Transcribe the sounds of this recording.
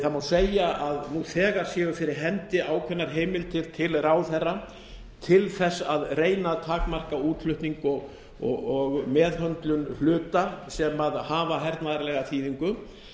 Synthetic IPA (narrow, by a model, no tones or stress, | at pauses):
θamawseːjaʔaðnuθɛːɣaɾ̥sjɛːʏfɪɾɪɾ̥ɦɛnt̪ɪʔaːwkʰvɛnːaɾ̥ɦeːjmɪlt̪ʰɪɾ̥t̪ʰɪlraːwθɛrːa | t̪ʰɪlθɛsːaðreːjnat̪ʰaːkmar̥kauːt̪lʏht̪niŋkɔɣ | ɔ̰ɣɔɣmɛːðɦœnt̪lʏnhlʏːt̪asɛmaðhaːvaɦɛɾt̪naðaɾlɛɣaθiːðiŋkʏ